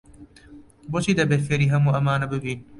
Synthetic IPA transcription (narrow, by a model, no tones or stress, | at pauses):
bot͡ʃʰiːd̪ɐbefeɾiːɦɐmuʔɐmaːnɐbɨbiːn